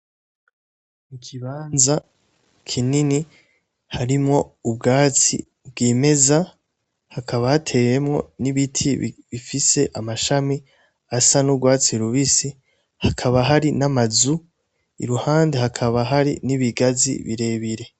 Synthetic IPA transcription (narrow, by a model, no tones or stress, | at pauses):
nikʰiβaːnza | kʰinini | haɾimŋo̞ubɡaːt͡sḭ | bɡeːme̞za | hakʰaβahatʰe̞we̞mŋo̞̰niβitʰḭβifise̞ʔamaʃami | asanubɡwaːt͡siɾuβisi | hakʰaβaɦaɾinamazu | ḭɾuhaːndehakʰaβaɦaɾḭniβiɡazḭβiɾe̞βiɾe̞